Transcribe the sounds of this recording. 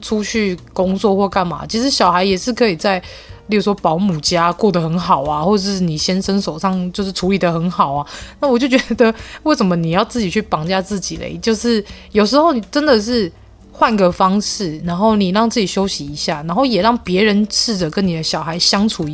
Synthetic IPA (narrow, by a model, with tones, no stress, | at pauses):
ʈ͡ʂʰu˦t͡ɕʰy˥˩ko˥ŋt͡swɔ˥˧xwɔ˥˧ka˥˩nma̰˩t͡ɕʰi˧˥ʂɻ̩˧˥ɕjɑ˨˩ʊxa˧˥ɪjɛ˨˩ʂɻ̩˥˩kʰɤ˧˥i˨˩t͡sa˥˩ɪ | li˥˩˨wɔ˥pɑ˧˥ʊmu˨˩t͡ɕja˦˥kwɔ˥˩d̪ə˩xə˧˦nxɑ˨˩ʊa˦xwɔ˥˧ʈ͡ʂʂni˨˩ɕjɛ˥nʂə˥nʂo˨˩ʊʂɑ˥˧ŋt͡ɕjo˥˧ʊʂɻ̩˥˩ʈ͡ʂʰu˧˥li˨˩d̪ə˩˦xə˧˦nxɑ˨˩ʊa˦na˥˩wɔ˨˩t͡ɕjo˥˩ʊt͡ɕɥe˧˦d̪ə˧we˥˩ɪʂə˨˩nmə˨ni˨˩jɑ˥˧ʊt͡sɹ̩˥˩t͡ɕi˨˩t͡ɕʰy˥˩pɑ˨˩ŋt͡ɕja˥˧t͡sɹ̩˥˩t͡ɕi˨˩lḛ˦ɪt͡ɕjo˥˧ʊʂɻ̩˥˩jo˨˩ʊʂ̬̩˧˥xo˥˩ʊni˨˩ʈ͡ʂə˦nd̪ə˨ʂ̬ɻ̩˥˩ | xwa˥˩nɡə˨fɑ˥ŋʂɻ̩˥˩na˧˥nxo˥˩ʊni˨˩ɻɑ˥˧ŋt͡sɹ̩˥˩t͡ɕi˨˩ɕjo˥ʊɕi˧˦i˧˦ɕja˥˩na˧˥nxo˥˩ʊjɛ˨˩ɻɑ˥˩ŋpjɛ˧˥ɻə˧˦nt͡sʰɻ̩˥˩də˨˩kə˦˥nni˨˩d̪ə˦ɕjɑ˨˩ʊxa˧˥ɪɕjɑ˥ŋʈ͡ʂʰu˨˥˧